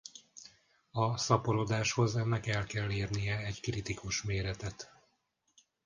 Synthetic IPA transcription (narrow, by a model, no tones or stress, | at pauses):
ɒsɒpoɾod̪aːʃho̞zɛnːɛkɛlkɛlːeːrnijɛɛɟkrit̪ikuʃmeːɾɛt̪ɛt̪